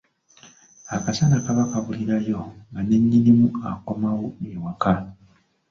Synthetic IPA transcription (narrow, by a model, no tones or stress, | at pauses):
akasanakaβakaβuliɾajo̞ŋɡane̞ɲːinimua̰komawoewaka